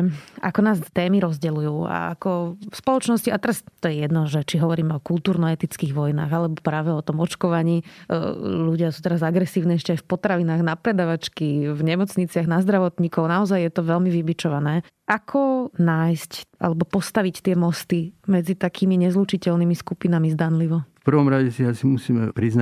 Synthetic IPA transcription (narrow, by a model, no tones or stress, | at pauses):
ʔa̰kɔnaːst̪ɛːmiɾɔzɟɛlujuːa̰a̰kɔfspɔlˠɔt͡ʃnɔsciʔat̪ɛɾast̪ɔjɛjɛd̪nɔʒɛt͡ʃiɦɔʋɔɾiːmɛɔkulˠt̪uːɾnɔɛt̪it͡skiːɣʋɔjna̰ːɣalɛbɔpɾaːʋɛɔt̪ɔmɔt͡ʃkɔʋaɲiː | ʎuɟɪasuːt̪ɛɾazaɡɾɛsiːʊniːɛʃcɛajfpɔt̪ɾaʋinaːɣnapɾɛd̪aːʋat͡ʃkivɲɛmɔt͡sɲit͡sɪaɣnazd̪ɾaʋɔt̪ɲiːkɔʊnaɔzajjɛt̪ɔʋɛlmiʋibit͡ʃɔʋanɛːʔakʰɔnaːjscʔa̰lɛbɔpɔst̪aʋict̪ɪɛmɔst̪imɛd͡zit̪akʰiːmiɲɛzluːt͡ʃicɛlnimiskupinamizd̪anliʋɔfpr̩ʋɔmɾaɟɛsiasimusiːmɛpɾizn